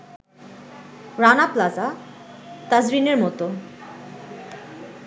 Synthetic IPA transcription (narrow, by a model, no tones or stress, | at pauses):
ɾanaplaza | t̪ad͡ʑɾineɾmɔt̪o